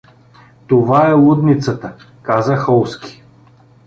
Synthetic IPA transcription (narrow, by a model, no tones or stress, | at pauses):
t̪ovaɛlˠud̪nit̪sət̪ə | kazəxɔlˠski̥